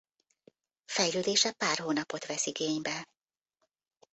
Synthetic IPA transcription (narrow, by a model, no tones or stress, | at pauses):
fɛjløːd̪eːʃɛpaːrhoːnɒpo̞t̪ʋɛsiɡeːɲbɛ